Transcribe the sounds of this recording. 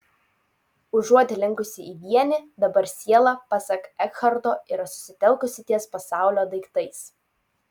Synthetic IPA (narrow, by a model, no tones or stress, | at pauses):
ʊʒuɔt̪ʲɪlʲɪŋkʊsʲɪʔiːʋʲiɛnʲɪd̪ɐbɐɾsʲiɛlˠɑpɑsʲɛkɛkxɐɾt̪oːɪɾɐsʊ̥sʲɪt̪ʲɛlˠkʊsʲɪt̪ʲiɛspɐsɑˑʊlʲoːd̪ɐɪkt̪ɐɪs